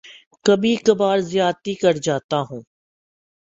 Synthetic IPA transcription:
kɐbʱikɐbaːɾzɪjaːt̪ikɐɾd͡ʒaːt̪aɦũː

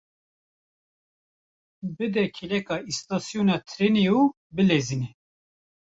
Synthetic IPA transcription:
bɨd̪ɛkʰilɛkɑist̪ɑːsjonɑt̪ʰɾeniju | bɨlezinɛ

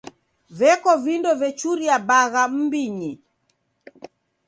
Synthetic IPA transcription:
vɛkɔvindɔvɛt͡ʃuɾiabaɣam̩biɲi

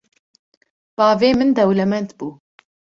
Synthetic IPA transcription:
b̥ɑːveːmɨnd̪ɛwlɛmɛnt̪buː

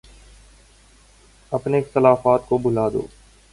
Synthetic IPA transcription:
ɐpneɪxt̪əlaːfaːt̪kobʊlaːd̪o̰ː

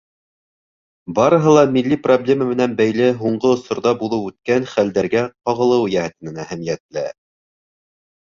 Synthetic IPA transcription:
bɑɾɤ̆ɦɤ̆lˠɑmilːiproblʲeməmɘ̆nænbæjlɘɦuɴɢɤŏsŏɾðɑbulˠɤwʉt̪̚kænχæld̪æɾɡæqɑʁɤ̆lˠɤwjæhɘ̆t̪ɘ̆nɘnæhæmijæt̪læ

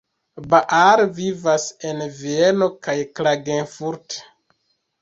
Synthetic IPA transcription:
baʔaɾvivasenvieno̞kajklaɡenfuɾt

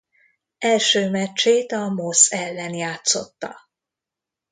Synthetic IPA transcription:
ɛlʃøːmɛt͡ʃːeːt̪ɒmosɛlːɛnjaːt̪sot̪ːɒ̰

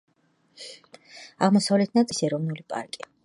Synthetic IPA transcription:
aʁmɔsavlɛt̪̚ʰnat̪sʼisɛɾɔvnulipʼa̰ɾkʼi

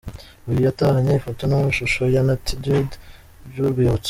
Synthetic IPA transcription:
ujijatahaɲeifotonamuʃuʃojanatdid | uɾɡiβot͡s

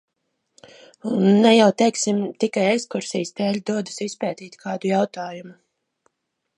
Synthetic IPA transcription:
unːɛjawt̪ɛjksimt̪ikajɛkskuɾsijst̪ɛːlʲd̪uɔd̪usispɛːt̪iːt̪ʲkʰaːd̪ujawt̪aːjumu

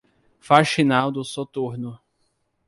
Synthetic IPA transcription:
faʃinawd̪ʊsot̪uɾnʊ

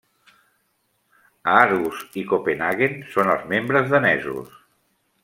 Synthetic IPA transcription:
aaɾuzikopenaɣensonəlˠzmembɾəzðənɛ̰zṵs

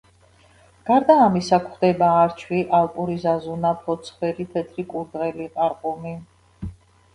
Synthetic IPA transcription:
ɡ̥aɾd̪aːmisakʰχd̪ɛbaːɾt͡ʃʰwiʔalpʼuɾizazunapʰɔt̪sʰχwɛɾit̪ʰɛt̪ʰɾikʼuɾd̪ʁɛliqʼaɾqʼumi

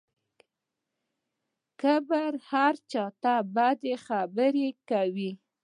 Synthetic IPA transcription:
kəbaɾhaɾt͡ʃɑt̪abɑd̪exabəɾekawi

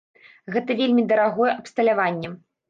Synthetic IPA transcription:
ɣɛt̪ɐvʲelʲmʲid̪ɐɾaɣɔjɛʔɐpst̪ɐlʲavanʲːɛ

